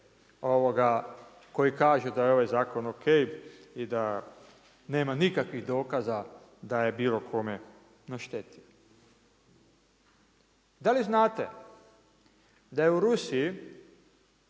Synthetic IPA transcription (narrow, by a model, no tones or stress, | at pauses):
o̞ʋoɡa | ko̞jikaːʒud̪ajeo̞ʋajzaːko̞nokʰejid̪a | ne̞ːmanikakʋiɣd̪o̞ːkaza | d̪aje̞biːlo̞kʰo̞me | noʃt̪et̪i | d̪aliznaːt̪ḛ | d̪ajeuɾusiji